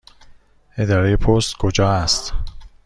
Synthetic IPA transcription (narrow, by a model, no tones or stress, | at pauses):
e̞d̪ɒːɾe̞je̞pʰost̪kʰod͡ʒɒːæst̪